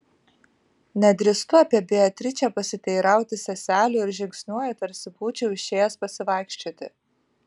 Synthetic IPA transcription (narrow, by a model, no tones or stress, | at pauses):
nʲɛd̪ʲɾʲɪst̪ʊɑːpʲiɛbʲɪɐt̪ʲɾʲɪt͡ʃʲɛpɐsʲɪt̪ʲɛɪɾɑˑʊt̪ʲɪsʲɛsʲæːlʲʊːɪɾʒʲɪŋksʲnʲuɔjɛt̪ɐɾʲsʲɪpuːt͡ʃʲɛʊɪʃʲeːjɛspɐsʲɪʋɑˑɪkʃʲt͡ʃʲoːt̪ʲɪ